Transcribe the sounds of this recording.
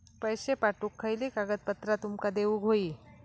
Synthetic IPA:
pəjɕepaʈukʰːəjliːkaɡət̪̚pət̪ɾat̪umkad̪eʋuːɡʱoiː

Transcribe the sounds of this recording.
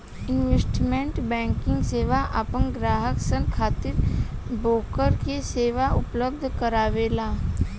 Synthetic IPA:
ɪnʋesʈmẽɳʈbɛ̃ːŋkɪ̃ŋɡseːʋaʔapənɡɾaːɦəksənkʰaːt̪ɪɾboːkəɾkeseːʋaʔʊpləb̚d̪ʱkəɾaːʋeːlaː

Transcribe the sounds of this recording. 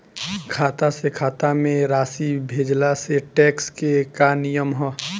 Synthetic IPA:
kʰaːt̪asekʰaːt̪amẽɾaːsibʱeːd͡ʒlaseʈeːkskekanijəmɦɔː

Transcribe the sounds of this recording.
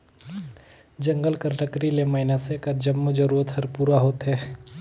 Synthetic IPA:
d͡ʒɐ̃ŋɡəlkəɾʈəkɾileməɪnasekad͡ʒəmːod͡ʒəɾuːɾət̪ɦɐɾpuːɾaɦoːt̪ɦɛː

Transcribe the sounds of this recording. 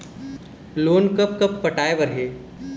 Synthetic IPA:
loːnkəp̚kɐppɐʈaːeʋɐɾɦeː

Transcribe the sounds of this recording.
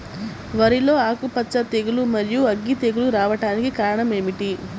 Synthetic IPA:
ʋɐɾilo̞ːaːkupɐtːt͡ʃːɐt̪eɡulumɐɾijuɐɡːit̪eɡuluɾaːʋɐʈaːnikikaːɾɐɳɐme̞ːmiʈi

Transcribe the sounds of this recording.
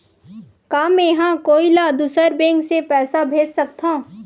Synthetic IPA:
kaːmẽjɦãkoːilad̪usəɾbẽːŋksepɛːsabʱeːd͡ʒsɐk̚t̪ʰã

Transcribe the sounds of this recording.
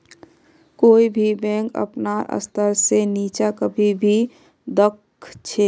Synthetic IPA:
koːibʱibɛ̃ŋkə̰pnaʔə̰st̪ʰəɾseniːt͡ʃakəbʱibʱi | d̪əkʰ | t͡ʃʰe

